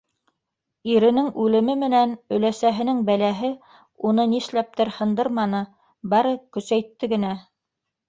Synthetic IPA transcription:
iɾɘ̆nɘŋʉlɘ̆mɘmɘ̆nænɵ̆læsæɦɘ̆nɘŋbælæɦɘ | unɤniʃlæp̚t̪ɘɾhɤ̆nd̪ɤɾmɑnɤ | bɑɾɤkɵ̆sæjt̪ːɘɡɘ̆næ

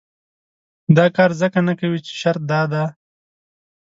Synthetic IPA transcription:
d̪ɑːkɑːɾzəkanakawit͡ʃe̥ʃaɾt̪̚d̪ɑːd̪a

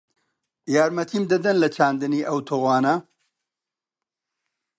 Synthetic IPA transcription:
jaːɾmɐt̪ʰimd̪ɐd̪ɐnlɐt͡ʃʰaːnd̪ɨniʔɐwt̪ʰoːɣaːnɐ

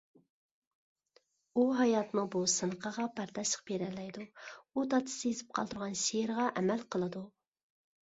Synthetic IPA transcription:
uɦɑjɑt̪mubusɨnəqʰəʁɑpʰɑɾt̪ɑʃə̥q̚beɾɛlɛjd̪uut̪ɑt̪ʰɨ̥sɨezɪp̚qʰɑlˠt̪ʰuɾʁɑnʃeɾʁɑʔɛmælqʰəlˠɨd̪u

